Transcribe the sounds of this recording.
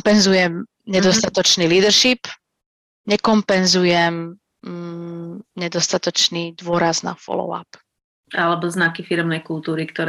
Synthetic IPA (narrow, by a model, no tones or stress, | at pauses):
pɛnzujɛm | ɲɛd̪ɔst̪at̪ɔt͡ʃniːliːd̪rʃip | ɲɛkɔmpɛnzujɛm | ɲɛd̪ɔst̪at̪ɔt͡ʃnid̪ʊɔɾazna̰fɔ̰lɔ̰ʊa̰p | alɛbɔznakifiɾɛmnɛjkulˠt̪uːɾikt̪ɔɾ